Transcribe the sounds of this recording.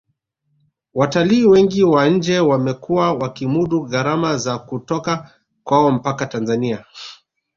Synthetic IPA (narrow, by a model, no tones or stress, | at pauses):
wataliːwɛŋɡiwaɲ̩d͡ʒɛwamɛkuwawakimuɗuɣaɾamazakutɔka | kwaɔm̩pakatanzania